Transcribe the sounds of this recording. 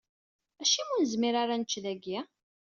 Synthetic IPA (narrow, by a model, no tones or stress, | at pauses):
æʃimunəzmiɾaɾanət͡ʃːðæɡi